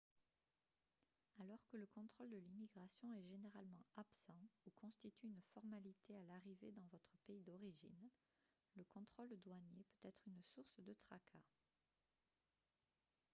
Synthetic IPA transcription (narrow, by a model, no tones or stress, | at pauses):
alɔʁkələkɔ̃t̪χɔld̪əlimiɡʁasjɔ̃ɛʒeneʁalmɑ̃apsɑ̃ukɔ̃st̪it̪yːnfɔʁmalit̪ealaʁived̪ɑ̃vɔt̪χəpeid̪ɔʁiʒḭn | ləkɔ̃t̪χɔld̪waɲepøt̪ɛt̪χynsuʁsd̪ət̪χakʰa